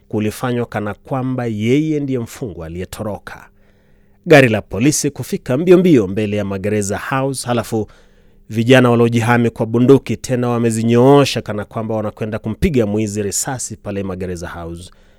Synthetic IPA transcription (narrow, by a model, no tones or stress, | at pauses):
kulifaɲwakanakwambajɛjɛndijɛm̩fuŋɡualiɛtʰɔɾɔkʰḁ̰ | ɠaɾilapɔlisikufikambiɔmbiɔmbɛlɛjamaɠɛɾɛzahauzhalafu | viʄanawaliɔʄiɦamikwaɓundukitʰɛnawamɛziɲɔɔʃakanakwambawanakwɛndakum̩piɡamwiziɾɛsasipalɛmaɠɛɾɛzahauz